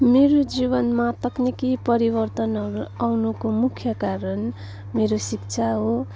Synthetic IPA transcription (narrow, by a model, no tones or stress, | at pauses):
meɾod͡zibʌnmat̪ʌknikipʌɾibʌrt̪ʌnɦʌɾuawnukomukʰːjʌkaɾʌn | meɾosikt͡sʰaɦo